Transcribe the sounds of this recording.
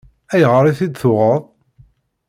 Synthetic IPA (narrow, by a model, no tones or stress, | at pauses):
æjʁəɾˤiθid̪θʊʁəðˤ